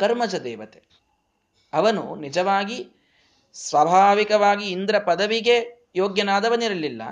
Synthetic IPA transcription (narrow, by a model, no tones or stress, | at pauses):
kɐɾmɐd͡ʒɐd̪ɛːʋɐt̪e | ɐʋɐnṵnid͡ʒɐʋaːɡi | sʋɐːbʱaːʋikɐʋaːɡiːnd̪ɾɐpɐd̪ɐʋiɡe̞ | joːɡjɐnaːd̪ɐʋɐniɾɐlːilːɐ̰